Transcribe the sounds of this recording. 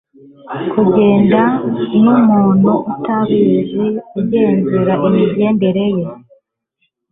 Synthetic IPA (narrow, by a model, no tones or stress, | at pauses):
kʰuɟe̞ːndanumuːnuʔutaβiziuɟeːnziɾaʔimibje̞ːmbeɾe̞je